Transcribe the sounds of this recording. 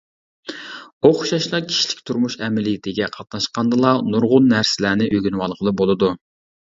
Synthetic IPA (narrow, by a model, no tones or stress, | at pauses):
oχʃɑʃlˠɑkʲʰi̥ʃlɪ̥kʲt̪ʰuɾmuʃɛmɪlɪd̪ʰɪɡʲɛqʰɑt̪̚nɑʃqɑnd̪ɨlˠɑnuɾʁʊnːæɾsɪlæːnɪʔøɡʲynwɑlˠqʰəlˠɨbolˠɨd̪u